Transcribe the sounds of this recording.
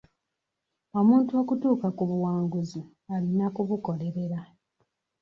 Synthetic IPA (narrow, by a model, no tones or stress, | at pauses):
o̞muːntuokutuːkakuβuwaːŋɡuzi | alinakuβuko̞le̞ɾe̞ɾa